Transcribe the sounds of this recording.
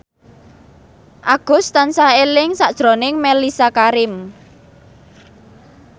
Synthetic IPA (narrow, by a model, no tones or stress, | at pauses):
ʔaɡ̥ʊ̤st̪ansaelɪŋsaʔd̥ʒ̥ɾo̤nɪŋmelisakaɾɪm